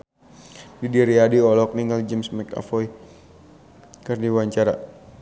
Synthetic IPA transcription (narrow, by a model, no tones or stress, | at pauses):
didiɾiadiɔlɔk̚niŋɡald͡ʒɛmsmɛka̰fɔi | kərdiwaɲt͡ʃaɾa̰